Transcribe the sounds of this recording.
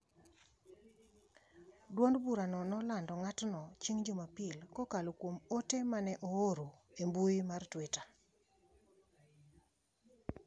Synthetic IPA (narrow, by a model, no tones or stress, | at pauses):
dwondbuɾanɔnɔlandɔŋatnɔt͡ʃiŋd͡ʒomapɪlkɔkalokwomotemanɛʔooɾoembuimartweta